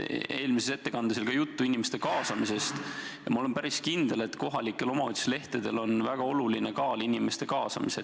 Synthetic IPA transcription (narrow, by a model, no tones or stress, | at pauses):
e̞ːlmisese̞t̪ːekɑnd̪eselkɑjut̪ːuinʲime̞st̪e̞kɑːsɑmise̞st̪jɑmɑole̞mpæɾiskind̪̥e̞le̞t̪ko̞ɦɑlikːˑe̞lo̞mɑot̪ʲːi̥sle̞ht̪ed̪̥e̞lo̞nvæɡ̥ɑo̞lulinekɑːlinime̞st̪e̞kɑːsɑ̰mise